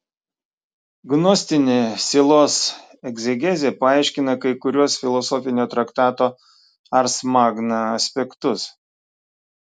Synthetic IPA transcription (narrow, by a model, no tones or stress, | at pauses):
ɡnɔsʲt̪ʲɪnʲeːsʲelˠoːs | ɛɡzʲɛɡʲɛzʲepɐɑˑɪʃʲkʲɪnɐkɐɪkʊɾʲuɔsfʲɪlˠɔsɔfʲɪnʲoːt̪ɾɐkt̪ɑːt̪oː | ɐɾsmɑːɡnɐɐsʲpʲɛkt̪ʊs